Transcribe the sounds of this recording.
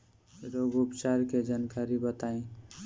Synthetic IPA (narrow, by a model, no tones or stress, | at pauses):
ɾoɡupt͡ʃaɾked͡ʒankaɾibət̪aĩ